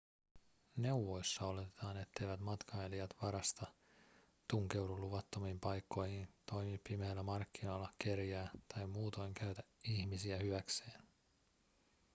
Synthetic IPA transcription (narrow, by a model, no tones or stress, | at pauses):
ne̞wʋo̞jsːɑo̞le̞t̪et̪ɑːne̞t̪ːe̞jʋæt̪mɑt̪kʰɑeliɑt̪ʋɑɾɑst̪ɑ | t̪uŋk̟e̞wluluʋɑt̪ːo̞mimpɑjkːo̞jhint̪o̞jmipːimeːlːæmɑrkːinolːɑke̞rjæːt̪ɑjmuːt̪o̞jŋkʰæɥt̪æiçmisiæhyʋækse̞ːn